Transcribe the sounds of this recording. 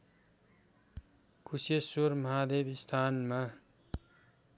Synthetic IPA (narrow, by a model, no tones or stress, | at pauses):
kʰusesoɾmʌɦad̪ebist̪ʰanma